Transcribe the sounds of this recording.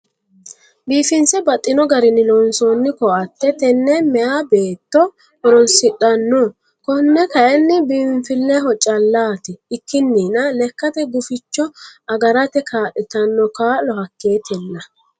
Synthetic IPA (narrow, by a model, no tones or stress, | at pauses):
biːfɪnsɛbɐt̪ʼːɪnɔɡɐɾɪnːɪnɔːnsoːnːɪkɔʔɐt̪ːɛt̪ɛnːɛmɛjabeːt̪ːɔ | ɔɾɔnsɪᶑʼɐnːɔ | kɔnːɛkɐʔɛnːɪbiːɱfɪlːɛɦɔt͡ʃʼɐlːaːt̪ɪːkʰːɪnːiːnɐlɛkːɐt̪ɛɡʊfɪt͡ʃːɔɐɡɐɾɐt̪ɛkʰaːʔɪt̪ɐnːɔkaːlɔhɐkːeːt̪ɪlːɐ